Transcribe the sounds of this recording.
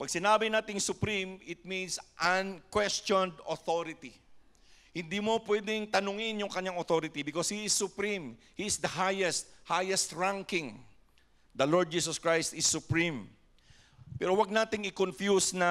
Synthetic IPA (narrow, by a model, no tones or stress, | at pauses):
pɐɡ̚sɪnaːbɪnaːt̪ɪŋsʊpɾimɪt̪̚mĩnsʔɐnkwɛst͡ʃɔnd̪oθoɾɪt̪i | hɪnd̪imopwɛd̪ɪŋt̪ɐnʊŋɪnjʊŋkɐɲaŋot̪oɾɪt̪ibɪkoshiɪsːʊpɾĩm | hiɪsd̪ɐhajɛst̪̚hajɛst̪ɹaŋkɪŋ | d̪ɐloɹd̪̚d͡ʒiːsoskɹajst̪ɪsːʊpɹĩm | pɛɾowɐɡ̚naːt̪ɪŋɪkonfjusnɐ